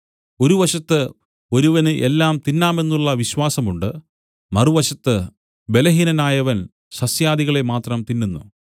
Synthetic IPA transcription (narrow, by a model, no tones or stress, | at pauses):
o̞ɾuʋɐɕɐt̪ːɨ | o̞ɾuʋɐnɨʔe̞lːaːmt̪inːaːmenːuɭːɐʋiɕwaːsɐmuɳɖɨ | mɐruʋɐɕɐt̪ːɨ | be̞lɐɦinɐnaːjɐʋɐn | ɕɐsjaːd̪iɣɐɭemaːt̪rɐmt̪inːunːṵ